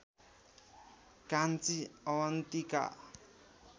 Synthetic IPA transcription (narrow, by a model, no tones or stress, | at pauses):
kant͡siɔwant̪ika̰